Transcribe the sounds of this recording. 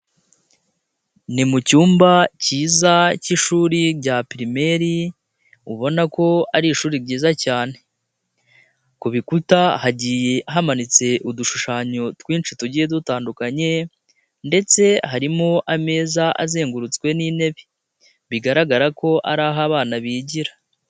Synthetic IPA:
nimucuːmbaciːzaciʃuːɾiɾɟapɾime̞ɾi | uβo̞nako̞aɾiʃuːɾiɾɟiːzacaːne̞ | kuβikutahaɟije̞ʔaɦamanit͡se̞ʔuduʃuʃaːɲo̞twiːnt͡ʃituɟijedutaːndukaɲe̞ | nde̞t͡se̞haɾimoʔame̞ːzaʔa̰ze̞ːŋɡuɾut͡skwe̞nine̞βe | βiɡaɾaɡaɾako̞ʔa̰ɾaːɦaβaːnaβiːɟiɾḁ

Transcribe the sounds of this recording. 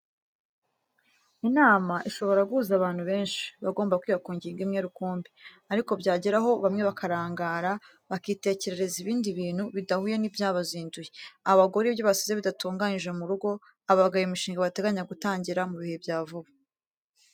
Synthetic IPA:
inaːmaʔiʃo̞βo̞ɾaɡuːzaβaːn̥huβe̞ːnʃi̥βaɡo̞ːmbakwiːβakuːɲɟiːŋɡimɲe̞ːɾukuːmbi | aɾiko̞bɟaːɟeɾaɦo̞βamŋe̞βakʰaɾaːŋɡaːɾa | βakiːte̞ce̞ɾe̞ɾe̞ziβiːndiβiːn̥huβidahujenibjaːβaziːnduje̞aβaɡo̞ɾibjo̞βasizeβidatuːŋɡaɲiʒemuɾuɡo̞ | aβaɡajimiʃiːŋɡaβate̞ɡaɲaɡutaːɲɟiɾamuβihe̞bjaːvuβu

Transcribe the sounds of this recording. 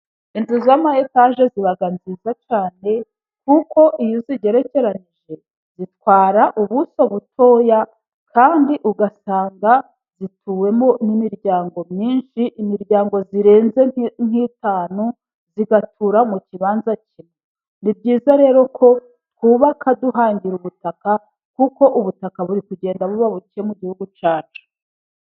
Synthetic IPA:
inzuzamahetaʒe̞ziβaɡanzizat͡ʃaːne̞ | k̚uko̞ʔijoziɟe̞ɾe̞ce̞ɾaniʒe̞ | z̥itkwaːɾaʔuβusoβutʰo̞ːja | kʰaːndiʔuɡasaːŋɡa | z̥itʰuːwe̞mo̞nimiɾɟaːŋɡo̞mɲiːnʃiʔimiɾɟaːŋɡo̞ziɾe̞ːnze̞ŋ̥iːtaːnu | ziɡatʰuɾamuciβaːnzacʰime | nib̚ɟiːzaɾe̞ːɾo̞kʰo̞ | tkuβakʰaduɦaːɲɟiɾuβutaka | kuko̞ʔuβutakaβuɾikuɟe̞ːndaβuβaβuciemuɟihuɡut͡ʃaːt͡ʃu̥

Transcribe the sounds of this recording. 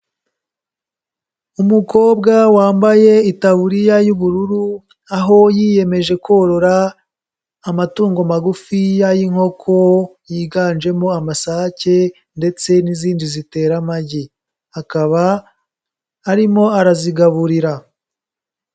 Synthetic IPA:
umuko̞ːbɡawaːmbaje̞itaβuɾijajuβuɾuɾu | aɦo̞jiːje̞me̞ʒe̞ko̞ɾo̞ɾaː | matuːŋɡo̞maɡufijajiŋ̥ho̞kʰo̞jiːɡaːnd͡ʒe̞mo̞amasace̞ | nde̞t͡se̞niziːndizite̞ːɾamaɟi | akaβa | ɾimo̞aɾaziɡaβuɾiɾa

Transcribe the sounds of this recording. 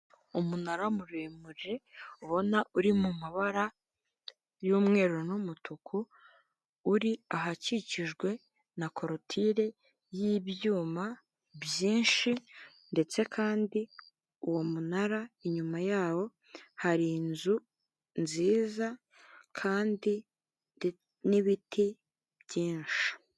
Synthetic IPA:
umunaɾamuɾemuʒe̞uβo̞nauɾimumaβaɾa | jumŋe̞ːɾonumutʰukʰuː | ɾiaɦaciciʒɡwe̞ | nakʰo̞ɾotʰiɾe̞ | jiβjuːma | bjiːnʃi | nde̞t͡se̞kʰaːndi | uwo̞munaɾaeɲumajaːwo̞ | haɾinzu | nziːza | kʰaːndi | niβitʰi | bjiːnʃi̥

